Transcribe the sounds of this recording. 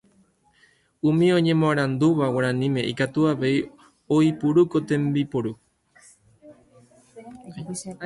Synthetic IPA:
umĩõ̞ɲẽ̞mõaɾand̪uβawaɾanĩmẽ̞ḭkat̪uaβe̞i | oipuɾuko̞t̪e̞mbipoɾu

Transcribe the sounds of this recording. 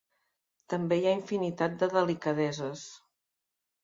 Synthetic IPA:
t̪əmbejaiɱfinit̪at̪̚d̪əðəlikəðɛzəs

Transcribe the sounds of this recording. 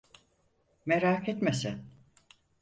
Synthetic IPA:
meɾaːkʰet̪mesæn

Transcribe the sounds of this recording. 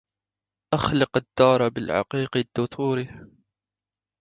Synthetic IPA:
ʔaxlɪqad̪ːɑːɾˤɑbɪlʕɑ̰qiːqid̪̥ːʊt̪ˤʰuːɾi

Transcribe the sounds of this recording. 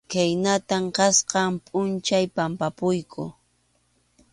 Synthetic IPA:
kajnat̪amqɑsqɑmpʼʊnt͡ʃajpampapʊjkʰʊ̰

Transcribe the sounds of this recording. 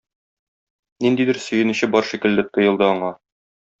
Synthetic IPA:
nind̪id̪ɘɾsɵ̆jɘ̆nɘ̆ɕɘbɒɾʃikɘ̆ld̪ɘt̪ɤ̆jɤ̆lˠd̪ɤɒɴɑ

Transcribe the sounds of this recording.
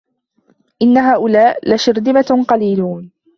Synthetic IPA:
ʔɪnːaɦaːʔʊlaːʔlaʃɪɾd̪ɪmaqɑliːluːn

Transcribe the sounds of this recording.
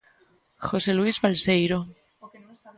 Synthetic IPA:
xo̞selwizβalsejɾo

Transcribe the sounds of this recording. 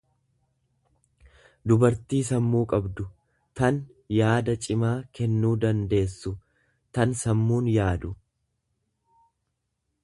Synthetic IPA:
d̪ʊbɐɾt̪iːsɐmːuːkʼɐbd̪ʊ | t̪ɐn | jaːd̪ɐt͡ʃʼɪmaːkɛnːuːd̪ɐnd̪e̞ːsːʊ | t̪ɐnsɐmːuːnjaːd̪ʊ

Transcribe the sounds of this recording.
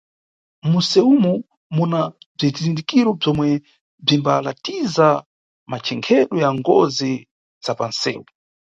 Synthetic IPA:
musɛumu | munab͡ʐizizindikiɾɔb͡ʐɔmwɛ | b͡ʐimbala̰tiza | mat͡ʃʰɛŋkʰɛɗɔjaŋɡɔ̰zi | z̥apansɛ̰ːwu

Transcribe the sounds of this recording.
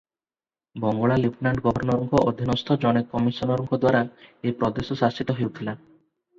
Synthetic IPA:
bɔŋɡɔɭalepnaɳʈɡɔbʱɔɾnɔɾɔŋkʰɔʔod̪ʱinɔst̪ʰɔd͡ʒɔɽ̃ekːɔmisɔnɔɾɔŋkʰɔd̪waɾaepɾɔd̪esɔsast͡ʃit̪ɔɦewt̪ʰila

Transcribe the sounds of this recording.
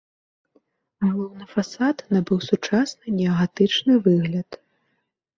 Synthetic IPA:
ɣalˠɔwnɨfasat̪nɐbɨwsut͡ʂasnɨnʲɛɐɣat̪ɨt͡ʂnɨvɨɣlʲɐt̪

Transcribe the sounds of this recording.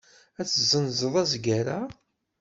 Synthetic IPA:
æt͡sːəzːənzəðˤæzɡaɾa

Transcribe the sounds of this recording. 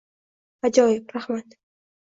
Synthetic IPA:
ad͡ʒɒjɪbɾahmat̪

